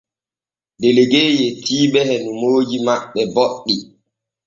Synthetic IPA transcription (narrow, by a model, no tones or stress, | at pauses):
deleɡejɛtʰiːɓɛhɛnumoːd͡ʒimaɓːɛboɗːi